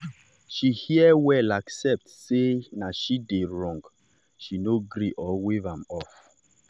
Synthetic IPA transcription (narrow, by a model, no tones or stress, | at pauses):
ʃihiəwɛlaksɛp̚tsenaʃideɹɔ̃ŋɡ | ʃinoɡɾiʔɔwevãmɔf